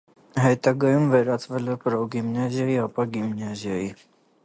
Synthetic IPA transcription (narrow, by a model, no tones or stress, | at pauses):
ɦɛt̪ɑɡɑjumvɛɾɑt͡svɛlɛpɾɔɡimnɑzjɑjiɑpɑɡimnɑzjɑji